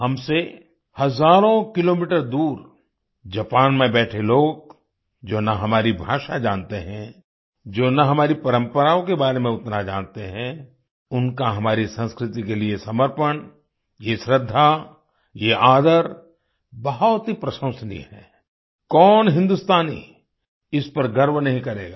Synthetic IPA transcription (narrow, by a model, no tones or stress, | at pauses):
hɐmse | hɐzaːɾõkɪloːmiʈəɾd̪uːɾ | d͡ʒɐpaːnmẽbɛːʈʰeloːɡ̚ | d͡ʒoːnaɦɐmaːɾibʱaːʃad͡ʒãːnt̪eɦɛ̃ | d͡ʒoːnaɦɐmaːɾipɐɾə̃mpəɾaːõkebaːɾemẽʊt̪nad͡ʒãːnt̪eɦɛ̃ | ʊnkaɦɐmaːɾisə̃nskɾɪt̪ikeliesɐməɾpəɳ | jeʃɾɪd̪ʱːa | jeʔaːd̪əɾ | bɐɦɔt̪ɦipɾɐsə̃ʊ̃sənḭɦɛː | kɔːnɦɪ̃nd̪ʊst̪aːnḭ | ɪspɐɾɡɐɾmnɐɦĩkɐɾeːɡaː